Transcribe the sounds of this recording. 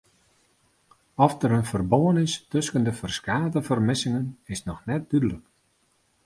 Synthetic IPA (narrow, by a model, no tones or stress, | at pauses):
ɔfdəɾənfərboənɪstɵskəndəfərskaːtəfərmɪsɪŋənɪsnɔxnɛt̚d̥ydələk